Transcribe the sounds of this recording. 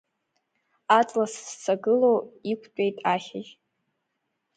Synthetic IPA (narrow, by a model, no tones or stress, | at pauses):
at͡sʼlasst͡sʰaɡɨlowikʷʰt͡ʃʷʼejtʼaχʲɪʒ